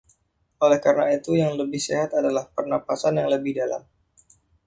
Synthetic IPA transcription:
olɛhkaɾənait̪ujaŋləbɪhseɦat̪adalahpərnapasanjaŋləbɪhdala̰m

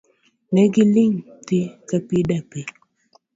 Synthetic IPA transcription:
nɛɡiliŋtikapidape

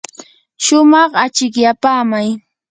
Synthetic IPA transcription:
ʃʊmɑχat͡ʃɪkjapaːmaj

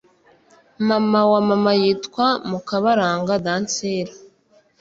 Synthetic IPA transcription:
mamawamamajitkwamukaβaɾaːŋɡadaːnt͡seːɾa

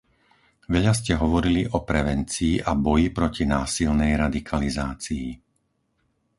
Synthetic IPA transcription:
ʋɛʎas̬cɛɦɔʋɔɾiliʔɔpɾɛʋɛnt͡siːʔabɔjipɾɔcinaːsilnɛjɾad̪ikʰalizaːt͡siː

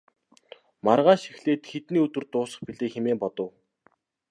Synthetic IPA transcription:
marʁaːʃi̥xɮeːt̪xet̪niːɵt̪wɵ̆rt̪ʊːsə̥̆χpiɮeːxemeːmpɔt̪ɞ̆w

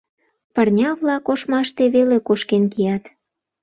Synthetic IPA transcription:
pərnʲɑβlɑkoʃmɑʃt̪eβelekoʃkenkijɑt̪

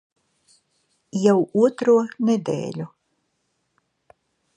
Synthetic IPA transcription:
jawuɔt̪ɾuɔnɛd̪ḛːlʲu

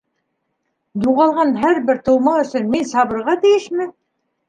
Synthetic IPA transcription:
d̪uʁɑlˠʁɑnɦæɾbɘɾt̪ɤ̆wmɑɵ̆sɵ̆nminsɑβɤ̆ɾʁɑt̪ijɘʃmɘ

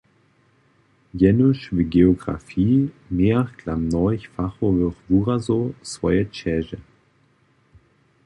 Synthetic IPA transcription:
jɛnuʃviɡeoɡʁa̰fiː | meːɐklamnɔçfaχovøχvuːʁazosv̥ɔjət͡ʃɛʒə

